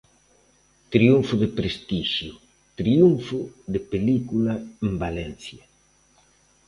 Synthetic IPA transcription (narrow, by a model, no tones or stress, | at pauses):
t̪ɾiuɱfʊðɪpɾest̪iʃjʊ | t̪ɾiuɱfʊðɪpelikulaembalɛnθja